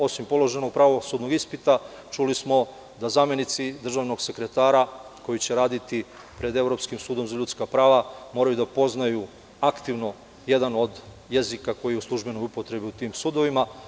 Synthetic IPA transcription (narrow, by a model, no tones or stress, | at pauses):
o̞simpo̞lˠo̞ʒe̞no̞ɡ̚pɾaʋo̞suːd̪no̞ɡispit̪a | t͡ʃulismo̞ | d̪azaːmje̞nit̪sid̪r̩ʒaʋno̞ɡse̞kɾe̞t̪aːɾako̞jit͡ɕe̞ɾaːd̪it̪i | pɾe̞d̪e̞ʋɾo̞pskimsuːd̪o̞mzaʎut̪skapɾaːʋamo̞ɾajud̪apo̞znaju | akt̪iʋno̞ | je̞d̪ano̞d̪ | jezikako̞jijeuslˠuʒbe̞no̞jupo̞t̪ɾe̞biut̪iːmsuːd̪o̞ʋima